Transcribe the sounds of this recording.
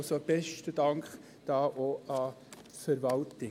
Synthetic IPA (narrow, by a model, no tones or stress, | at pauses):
sob̥ɛʃtəd̥ɑŋχ | d̥ɑːʔoʔɑ | tfəɾʋɑltɪ